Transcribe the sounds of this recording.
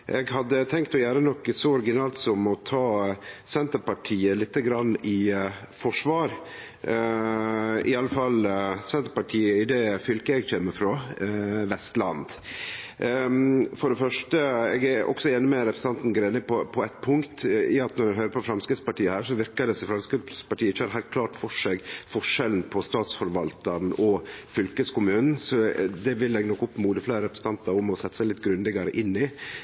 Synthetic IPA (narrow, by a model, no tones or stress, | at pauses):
ʔɛ̰ɡɦɑd̪ːət̪ʰɛŋkt̪ɔjæːɾənɔkːsɔɔɾɡɪnɑːlt̪sɔmɔt̪ʰɑːsɛnt̪əpɑʈʰiːəlɪt̪ːəɡɾɑnːɪ | fɔʂʋɑːɾ | ɪ̰ɑlːəfɑlsɛnt̪əɾpɑʈʰiːəɪd̪ɛfʏlkəɛɡçeːmːəfɾoːʋɛst̪lɑ̰nd̪ | fɔɖɛfœʂʈəɛːɡæɾʔɔ̰ksɔeːnəmɛɾɛpʰɾəsn̩ɑnt̪n̩ɡɾeːnɪpʰɔpʰɔɛt̪ːpʰʊŋkt̪ɪɑt̪nɔɾɛɦøːɾəpʰɔfɾɑmskɾɪt̪spɑʈiːəhæːɾʂɔʋɪɾkɑd̪ɛsɔfɾɑmskɪspɑʈʰiːəɪçːəhɑɾɦæɪlt̪̚kʰlɑːʈfɔʂeɡfɔʂɛln̩pʰɔst̪ɑːt̪sfɔɾʋɑlt̪ɑɾnɔfʏlkəskʊmʉːnn̩sɔd̪ɛʋɪlːɛɡnɔkːʊpːmuːd̪əfleːɾəɾɛpɾəsn̩t̪ɑnt̪ɑɾʊmɔsɛt̪ːəsæɪlɪt̪ɡɾʉnd̪ɪɡɑɾəʔɪnːɪ